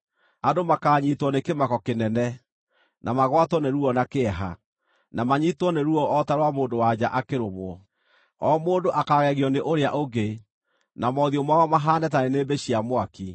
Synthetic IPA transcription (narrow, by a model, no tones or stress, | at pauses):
adomakaːɲiːtwɔnekemakɔkenɛnɛ | nʔamaɣwatɔneɾuɔnakeɛɦa̰ | namaɲiːtwɔneɾuɔʔɔtaɾwamoːndowad͡ʑaʔakeɾomwɔ | ɔːmoːndoʔakaːɣɛɣiɔneʔoɾeaʔoɡe | namɔðiɔmaɔmaɦaːnɛtaɾeneːbeɕiamwaki